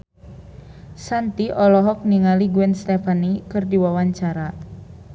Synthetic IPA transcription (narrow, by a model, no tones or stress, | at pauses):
sant̪iʔɔlɔɦɔk̚niŋaliɡuɛnst̪efanikɨrdiwawaɲt͡ʃaɾa